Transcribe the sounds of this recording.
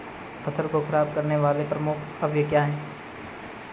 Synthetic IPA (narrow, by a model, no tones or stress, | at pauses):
pʰɐsəlkokʰɐɾaːb̚kɐɾneʋaːlepɾɐmʊkʰ | ɐbjekjaːɦɛː